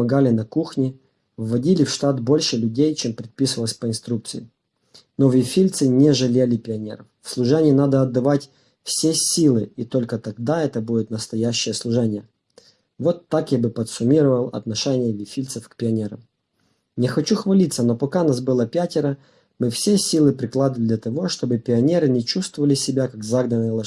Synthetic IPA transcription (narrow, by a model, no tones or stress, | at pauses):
pmɐɡalʲɪnɐkuxnʲɪ | vːɐdʲilʲɪfʂt̪at̪bo̞lʲʂɨlʲʉdʲejt͡ɕempɾʲɪt̪̚pʲisɨvəlˠəsʲpəɪnst̪ɾukt̪sɨjɪ̰ | novʲɪfʲilʲt̪sɨnʲɪʐɨlʲelʲɪpʲɪɐnʲḛɾə̰ffslˠʊʐɛnʲɪjːnad̪əɐd̪ːɐvatʲ | fsʲesʲilˠɨit̪o̞lʲkət̪ɐɡ̚d̪aɛt̪əbudʲɪt̪nəst̪ɐjæɕːɪjəslˠʊʐɛnʲɪjə | vo̞t̪ːakjabɨpət̪sʊmʲiɾəvəlˠɐ̰t̪nɐʂɛnʲɪjəvʲɪfʲilʲt̪səfkpʲɪɐnʲeɾə̰m | nʲɪxɐt͡ɕuxvɐlʲit̪sːəno̞pɐkanas̬bɨlˠəpʲætʲɪɾə | mɨfsʲesʲilˠɨpɾʲɪklˠad̪ɨvəlʲɪd̪lʲɐt̪ɐvo̞ʂt̪o̞bɨpʲɪɐnʲe̞ɾɨnʲɪt͡ɕust̪vəvəlʲɪsʲɪbʲakakzaɡnənəjəlˠɐ